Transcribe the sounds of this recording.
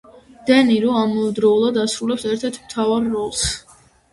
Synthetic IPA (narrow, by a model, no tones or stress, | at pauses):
d̪̥ɛniɾɔamɔɛd̪ɾɔulˠad̪asɾulɛpsɛɾt̪ʰɛɾt̪ʰmt̪ʰavaɾːɔlˠs